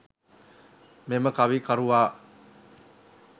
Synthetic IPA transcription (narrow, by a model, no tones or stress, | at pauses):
meməkaʋikaɾuʋaː